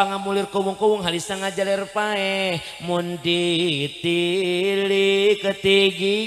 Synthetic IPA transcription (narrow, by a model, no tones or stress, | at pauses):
aŋamulirkowuŋkowuŋɦalisaŋad͡ʒalɛrpaɛh | mundit̪ilikət̪iɡi